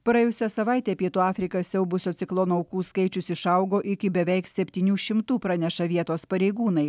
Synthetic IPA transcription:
pɾɐɛjʊsʲɛsɐʋɐɪt̪ʲeːpʲiɛt̪uːɑːfʲɾʲɪkɐsʲɛʊbʊsʲoːt̪sʲɪklˠoːnɐʊkuːskɐɪt͡ʃʲʊsɪʃɐʊɡoːʔɪkʲɪbʲɛʋʲɛɪksʲɛpʲt̪ʲiːnʲuːʃʲɪmt̪uːpɾɑːnʲɛʃɐʋʲiɛt̪oːspɐɾʲɛɪɡuːnɐɪ

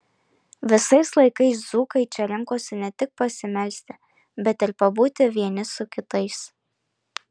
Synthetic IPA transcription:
ʋʲɪsɐɪslˠɐɪkɐɪszuːkɐɪt͡ʃʲɛɾʲɛŋkoːsʲɪnʲɛt̪ʲɪk̚pɐsʲɪmʲɛlʲsʲt̪ʲɪ | bʲɛt̪ɪɾpɐbuːt̪ʲɪʋʲiɛnʲɪsʊkʲɪt̪ɐɪs

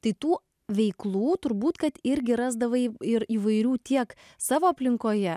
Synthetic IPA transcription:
t̪ɐɪt̪uː | ʋʲɛɪklˠuːt̪ʊɾbuːt̪kɐt̪ɪɾʲɡʲɪɾɑːzd̪ɐʋɐɪɾiːʋɐɪɾʲuːt̪ʲiɛk | sɑːʋoːɐpʲlʲɪŋkoːjɛ

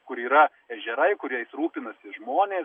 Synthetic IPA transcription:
kʊɾiːɾɐ | ɛʒʲɛɾɐɪkʊɾʲɛɪsɾuːpʲɪnɐsʲɪʒmoːnʲeː

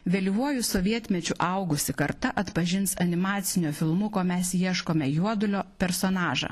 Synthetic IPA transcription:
ʋʲɛlʲʋuɔjʊsoːʋʲiɛt̪ʲmʲɛt͡ʃʲʊʔɐʊɡʊsʲɪkɐɾt̪ɐʔɐt̪pɐʒʲɪnsɐnʲɪmɑːt̪sʲɪnʲufʲɪlˠmʊkoːmʲɛsjiɛʃkoːmʲɛjuɔd̪ʊlʲoːpʲɛɾsoːnɑːʒɐ̰ː

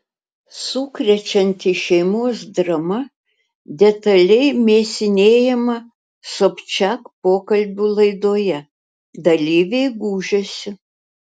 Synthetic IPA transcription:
sukɾʲɛt͡ʃʲɛnʲt̪ʲɪʃʲɛɪmoɔsd̪ɾɐmɐ | d̪ʲɛt̪ɐlʲɛɪmʲeːsʲɪnʲeːjɛmɐ | soːpʲt͡ʃʲækpoːkɐlʲbʲuːlˠɐɪd̪oːjɛ | d̪ɐlʲiːʋʲɛɪɡuːʒʲosʲɪ

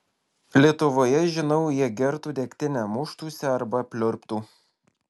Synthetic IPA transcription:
lʲiɛt̪ʊʋoːjɛʒʲɪnɒʊjiɛɡʲɛɾt̪uːd̪ʲɛːkʲt̪ʲɪnʲɛmʊʃt̪uːsʲɛɐɾbɐpʲlʲʊɾʲpt̪uː

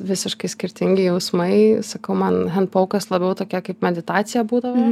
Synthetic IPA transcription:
ʋʲɪsʲɪʃkɐɪsʲkʲɪɾʲt̪ʲɪŋʲɡʲɪjɛʊsmɐɪsɐkɐʊmɐnɦɛntpɐʊkɐslˠɐbʲɛʊt̪oːkʲɛkɐɪp̚mʲɛd̪ʲɪt̪ɑːt̪sʲɪjɛbuːd̪ɐʋo

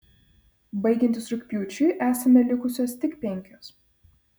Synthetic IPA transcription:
bɐɪɡʲɛnʲt̪ʲɪsɾʊkʲpʲjuːt͡ʃʲʊʔæːsʲɐmʲɛlʲɪkʊsʲoːst̪ʲɪkpʲɛŋʲkʲoːs

